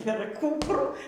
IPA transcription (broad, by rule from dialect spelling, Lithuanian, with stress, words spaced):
pʲɛr ˈkuːpruː